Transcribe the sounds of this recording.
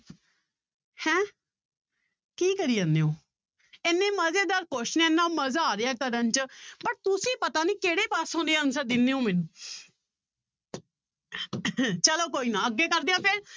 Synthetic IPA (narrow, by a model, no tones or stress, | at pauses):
hɛ̃ː | kiːkəɾiːãːneːõː | ɪnːẽːməzeːd̪aːɾkoʃnẽɪnːãːməzaːɾɪjaːkəɾənt͡ʃbəʈ̚t̪ʊsĩːpət̪aːniːkeːɽeːpaːsɦõːnd̪eãːnsəɾd̪ɪnːeːõːmɪnuː | t͡ʃəloːkoːiːnãːəɡːeːkəɾd̪ejãːpʰɪɾ